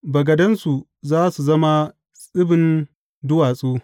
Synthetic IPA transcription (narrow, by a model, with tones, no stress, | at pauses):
bɐ˨ɡɐ˨dɐ˦nsu˨ | zaː˦su˨zɐ˦ma˦ | sʼɪ˦bɪ˨n | dʊ˦waː˨sʼuː˦